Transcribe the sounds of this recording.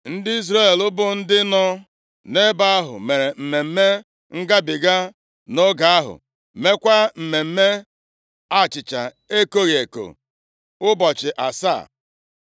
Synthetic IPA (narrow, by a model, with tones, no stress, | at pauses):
n̩˦dɪ˦i˦zɾa˦e˨lʊ˦bʊ˦n̩˦dɪ˦nɔ˦ | ne˦ba˦a˦ɦʊ̰˨me˨ɾe˨m̩˨me˨m̩˦me˦ | ŋ̩˦ɡa˦bɪ˨ɡa˦ | no˦ɡa˨a˦ɦʊ̰˨ | me˦kʷa˦m̩˨me˨m̩˦me˦ | a˦˨t͡ʃɪ˨t͡ʃa˨ | e˦ko˦ɣi˨e˨ko̰˨ | ʊ˦bɔ˨t͡ʃɪ˨ʔa˨sa̰˦˨